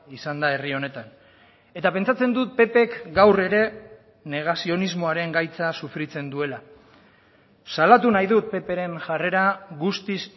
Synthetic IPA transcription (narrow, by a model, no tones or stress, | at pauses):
isand̪ae̞rio̞ne̞t̪an | e̞t̪ape̞nt͡sat͡se̞nd̪ut̪̚pe̞pe̞kɡawre̞ɾe̞ | ne̞ɣ̞asio̞nizmo̞aɾe̞ŋɡajt͡sasufɾit͡se̞nd̪ue̞la | salat̪unajðut̪̚pe̞pe̞ɾe̞nʝare̞ɾaɣust̪is